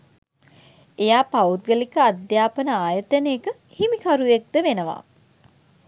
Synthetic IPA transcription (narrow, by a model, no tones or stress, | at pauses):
ejaːpaut̪̚ɡəlikəad̪jaːpənəaːjət̪əneekə | himikʰaɾujek̚d̪əʋenəʋa̰ː